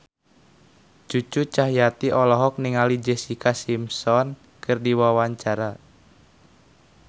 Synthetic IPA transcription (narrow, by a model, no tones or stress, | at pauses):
t͡ʃut͡ʃut͡ʃaɦjat̪iʔɔlɔɦɔk̚niŋalid͡ʒesikasimsɔn | kɨrdiwawaɲt͡ʃaɾa